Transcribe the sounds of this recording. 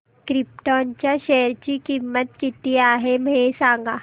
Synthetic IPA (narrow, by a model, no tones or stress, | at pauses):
kɾɪp̚ʈɔːnt͡ʃaʃeːəɾt͡ɕikimːət̪kit̪iaːɦemeːsãːŋɡa